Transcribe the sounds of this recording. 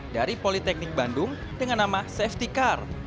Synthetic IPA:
daɾipolit̪ɛk̚nɪk̚bandʊŋ | dəŋanːamasɛft̪ikar

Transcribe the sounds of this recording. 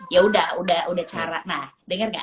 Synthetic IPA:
jaudahudahudaht͡ʃaɾaʔ̚nahdəŋərŋa̰

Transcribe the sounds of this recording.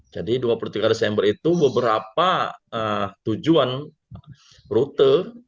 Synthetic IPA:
d͡ʒadiduapulut̪iɡadesɛmbəɾit̪ubəbəɾapaət̪ud͡ʒuan | rut̪ə

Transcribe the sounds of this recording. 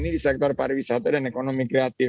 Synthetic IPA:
niɾisɛk̚t̪aɾpaɾbisat̪eɾenekonomikɾeat̪i

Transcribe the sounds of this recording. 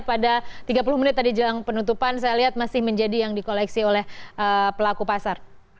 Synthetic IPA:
t̪̚padat̪iɡapuluhminɪt̪ːadid͡ʒəlaŋpənut̪upansajaliɦat̪̚masɪhməɲd͡ʒadijaŋdikolɛksiolɛhʔəpəlakupasar

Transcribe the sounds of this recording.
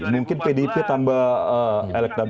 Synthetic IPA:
muŋkɪnpedipit̪ambaəelɛk̚dab

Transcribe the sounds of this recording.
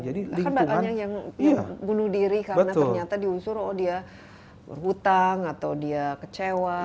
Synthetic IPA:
d͡ʒadilaianbauŋaanɲaŋjaŋjabunʊhdiɾikabənaərɲat̪adiusʊɾdia | bə̰rɦut̪aŋat̪awdiakət͡ʃewa

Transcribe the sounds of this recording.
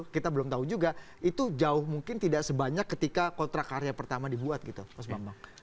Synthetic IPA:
kit̪abəlʊmt̪aud͡ʒuɡa | it̪ud͡ʒaʊhmuŋkɪnt̪idaʔsəbaɲakːət̪ikakont̪ɾakaɾjapərt̪amadibuat̪̚ɡit̪upas̬bambaŋ

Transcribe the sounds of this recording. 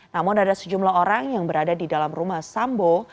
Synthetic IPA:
namʊnadasəd͡ʒumlaɦoɾaŋjaŋbəɾadadidalamrumahsambo

